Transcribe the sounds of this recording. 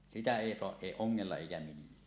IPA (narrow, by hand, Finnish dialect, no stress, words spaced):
sitæ eˑi soɑʔ ʔeˑi oŋːelːɑ eikæ milːæː